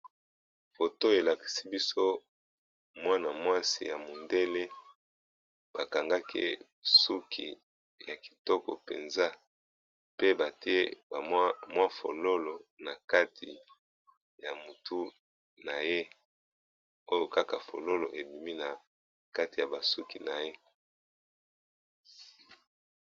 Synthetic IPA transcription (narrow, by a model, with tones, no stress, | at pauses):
fo˨to˦e˨la˨ki̥˨si˦bi˦so˦ | mwa˦na˨mwa˦sḭ˨ja˨mo˨nde˦le˦ | b̥a˨ka˨ŋɡa˦kʰḭ˦ | su˦kʰḭ˨ | ja˨ki̥˨tɔ˦kɔ̰˨pḛ˨nza˦ | pe˦ba˨ti˦e˦ba˨ma˦mwa˦fo̰˨lo˦lo˨na˨ka˦tʰi˨ | ja˨mu˨tu˦ | na˨je˦ | o˦jo˨ka˦ka˨fo̰˨lo˦lo˨ʔe˨bi˨mi˦na˨ | ka˦ti˨ja˨ba˨su˦ki˨na˨je˦